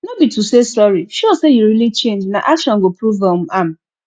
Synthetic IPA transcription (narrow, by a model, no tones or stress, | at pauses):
nobitusesɔɹiʃɔsejuɾilit͡ʃẽnd͡ʒna̰ʔaʃɔ̃ŋɡopɾuvam̩am̩